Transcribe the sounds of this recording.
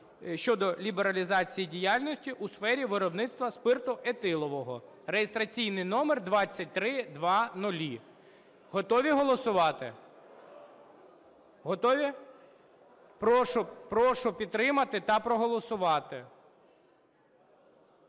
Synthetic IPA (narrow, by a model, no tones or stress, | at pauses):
ʃt͡ʃɔd̪ɔlʲibeɾɐlʲizɑt͡sʲijidʲijalʲnɔsʲtʲiʔusfɛɾʲiʋɪɾɔbnɪt̪st̪ʋɐspɪrt̪ʊʔet̪ɪlˠɔʋɔɦɔ | rejest̪ɾɐt͡sʲijnɪjnɔmerd̪ʋɑt͡sʲːɐt̚ʲt̪ɾɪd̪ʋɑnʊlʲi | ɦɔt̪ɔʋʲiɦɔlˠɔsʊʋɑt̪ɪ | ɦɔt̪ɔʋʲi | pɾɔʃʊpɾɔʃʊpʲid̪̚t̪ːɾɪmɐt̪ɪt̪ɐpɾɔɦɔlˠɔsʊʋɑt̪ɪ